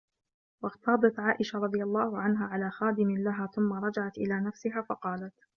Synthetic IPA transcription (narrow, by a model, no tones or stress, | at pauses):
wɑɣt̪ɑːd̪ˤɑt̪ʕaːʔɪʃaɾˤɑd̪ˤɨjalˤːɑːhʊʕanɦaːʕalaːxaːd̪ɪmɪlaɦaːθʊmːaɾˤɑd͡ʒaʕat̪ʔɪlaːnafsɪɦaːfɑqɑːlat̪